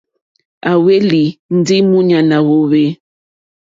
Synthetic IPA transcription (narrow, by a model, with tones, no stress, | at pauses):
a˨we˦li˨n̩˦di˦mu˦ɲa˨na˨wo˦βe˦